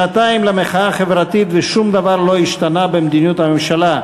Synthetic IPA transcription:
at̪aimlemeχaaχevʁat̪it̪veʃumd̪avaʁlo̞iʃt̪anabemd̪iniut̪hamemʃala

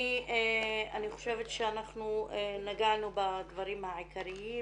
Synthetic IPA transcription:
ieaniχo̞̥ʃevet̪ʃeanaχnuenaɡanubadvaʁimhaʕikaɾii

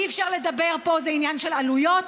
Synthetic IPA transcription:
iɛfʃaʁled̪abe̞ʁpo̞zeinjanʃelalujo̞t

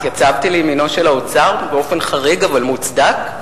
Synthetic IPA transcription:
jat͡savt̪ilejmino̞ʃelaot͡saʁbeo̞fe̞nχaʁiɡavalmut͡sd̪ak

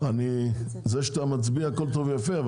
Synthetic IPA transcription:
ani | zeʃt̪amat͡sbiaakolt̪ovejafeav

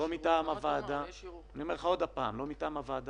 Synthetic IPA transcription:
omitaːmavad̪anio̞meʁχao̞d̪apaːmlo̞mitaːmavaːd̪a

